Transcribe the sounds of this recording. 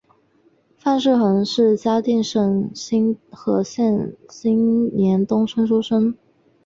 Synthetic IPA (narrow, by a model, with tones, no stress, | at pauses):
fa˥˧nʂɻ̩˥˩xə˧˥nʂɻ̩˥˩t͡ɕja˥t̪i˥˧ŋʂə˥˩nɕi˥ŋxɤ˧˥ɕjɛ˥˩nɕi˥ŋnjɛ˧˥nt̪ʊ˥ŋʂʰə˥nʂu˥ʂə˥n